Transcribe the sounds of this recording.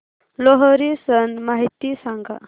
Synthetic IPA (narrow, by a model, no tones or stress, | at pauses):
loɦɔɾisənmaɦit̪isaŋɡa̰